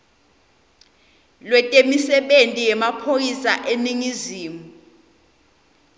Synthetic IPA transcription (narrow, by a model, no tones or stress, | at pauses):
lwɛtʼemisɛɓentʼijɛmapʰokisaʔeniŋiziːmu